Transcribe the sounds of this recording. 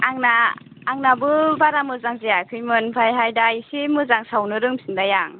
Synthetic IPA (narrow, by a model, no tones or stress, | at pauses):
aŋnaː | ŋnabɯbaɾamɯzaŋzijakʰɯjmɯnpʰajɦajdajisimɯzaŋsawnɯɾɯŋmsindajaŋ